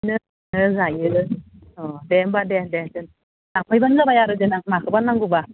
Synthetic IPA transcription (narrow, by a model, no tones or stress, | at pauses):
nɯ | nɯzajɯɯ | ɔdɛmbadɛndɛnzɯn | naŋpʰɔjbanɡabajaɾɯd͡ʒɯnaŋmakʰɯbanːaŋɡuba